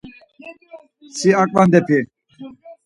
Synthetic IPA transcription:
siakʼʋɐnd̪epʰi

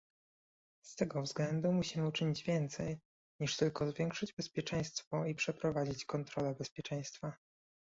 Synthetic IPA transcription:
st̪ɛɡɔvzɡlɛnd̪umuɕimɘut͡ʂɘɲid͡ʑvʲjɛnt̪sɛj | ɲiʂt̪ɘlkɔzvʲjɛŋkʂɘd͡ʑbɛspʲjɛt͡ʂɛ̃j̃st̪fɔipʂɛpɾɔvad͡ʑit͡ɕkɔnt̪ɾɔlɛbɛspʲjɛt͡ʂɛ̃j̃st̪fa

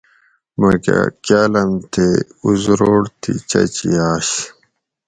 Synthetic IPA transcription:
mɐka̰kaːlɐnt̪ʰeuzɾoːɽt̪ʰit͡ɕɐt͡ɕiaːɕ

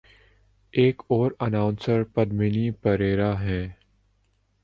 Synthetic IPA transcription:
eːkɔːɾənaːʊ̃nsəɾpɐd̪mɪnipəɾeːɾaɦɛ̃ː

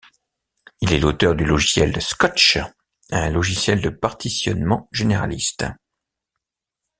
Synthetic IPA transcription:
ilɛlot̪œʁd̪ylɔʒisjɛlskɔt͡ʃ | ɛ̃lɔʒisjɛld̪əpaʁt̪isjɔ̰nmɑ̃ʒeneʁa̰list̪

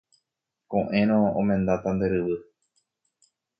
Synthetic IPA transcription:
kõʔẽ̞ɾ̃õõmẽnd̪at̪and̪eɾɨʋɨ

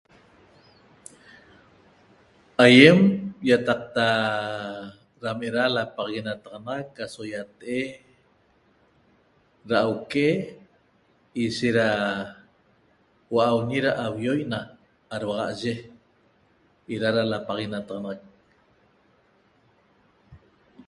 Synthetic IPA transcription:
ajemjat̪ɑq̚t̪a | ɾameɾalapaʁɣinat̪ɑʁɑnɑʁɑkːasojat̪ʔe | ɾaːwke | iʃeɾa | waʔawɲiɾaʔawjojnaː | ɾwaʁɑ̰ʔʒe | ʔiɾaɾalapaʁinat̪ɑʁɑnɑʁɑk̚

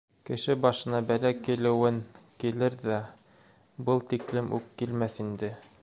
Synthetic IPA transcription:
kɘ̆ʃɘbɑʃɤ̆nɑbælækilɘ̆wɘŋkilɘɾðæ | bɤlˠt̪iklɘmʔʉkːilmæθind̪ɘ

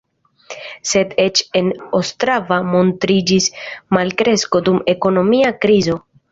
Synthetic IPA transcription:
se̞de̞t͡ʃe̞nostɾavamo̞ntɾid͡ʒismalkɾe̞sko̞dume̞ko̞no̞miakɾizo̞

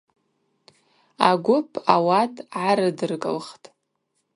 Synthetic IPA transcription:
aɡʷʊpʰʼawatʼʕaɾɨdɨrkʼɨ̰lχtʼ

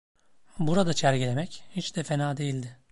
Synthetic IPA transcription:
buɾad̪at͡ʃʰæɾɟilʲemɛchit͡ʃd̪ɛfe̞naːd̪e̞jilʲd̪ɪ

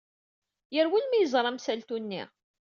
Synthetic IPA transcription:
jəɾwilmæjəzˤɾˤɑmsælt̪unːḭʁ

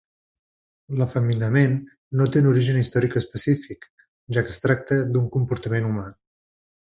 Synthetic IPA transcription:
ləfəminəmenː | ot̪enuɾiʒənist̪ɔɾikəspəsifik | ʒakəst̪ɾak̚t̪əd̪uŋkumpuɾt̪əmenuma

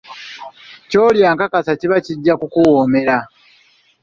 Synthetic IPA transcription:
co̞ːljaːŋkakasaciβaciɟːakukuwoːme̞ɾa

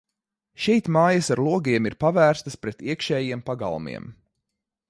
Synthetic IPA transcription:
ʃɛjt̪maːjɐsaɾlˠuɔɡiɛmiɾpavæːɾst̪əspɾɛt̪iɛkʃɛːjiɛmpaɡa̰lˠmḭɛm

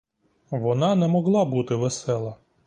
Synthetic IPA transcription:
ʋɔnɑnɛmɔɦlˠɑbut̪ɪʋɛsɛlˠɐ

